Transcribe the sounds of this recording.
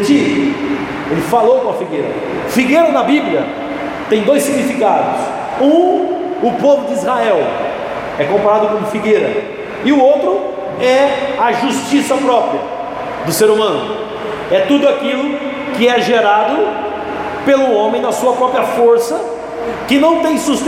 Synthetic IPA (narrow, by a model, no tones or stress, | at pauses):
t͡ʃivʊ | elɪfalowkõɐfiɡeɾɐ̰ | fiɡeɾɐnɐbibljɐ | t̪ẽj̃d̪ojsiɡnifikad̪ʊs | ũʊpovʊd͡ʒɪizhaɛw | ɛkõmpaɾad̪ʊkõmʊfiɡeɾɐ | ɪʊowt̪ɾʊ | ɛɐʒust͡ʃisɐpɾɔpɾiɐ | d̪ʊseɾumɐ̃nʊ | ɛt̪ud̪ʊakilʊ | kɪɛʒeɾad̪ʊ | pelũõmẽj̃d̪ɐsuɐpɾɔpɾijɐfoɾsɐ | kɪnɐ̃w̃t̪ẽj̃sust̪